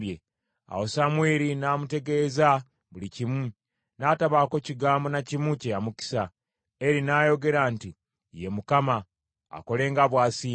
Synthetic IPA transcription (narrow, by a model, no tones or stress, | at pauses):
bje | a̰wosamweːɾinaːmute̞ɡe̞ːza | βulicimu | naːtaβaːko̞ciɡaːmbo̞nacimuce̞jamuki̥sa | eɾinaːjo̞ɡe̞ɾaːnti | jemukama̰ː | ko̞le̞ːŋɡaβwaːsiː